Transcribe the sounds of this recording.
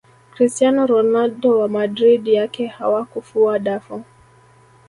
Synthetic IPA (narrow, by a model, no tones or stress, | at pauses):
kɾistjanɔɾɔnalɗdɔwamadɾiɗjakɛha̰wakufuaɗafɔ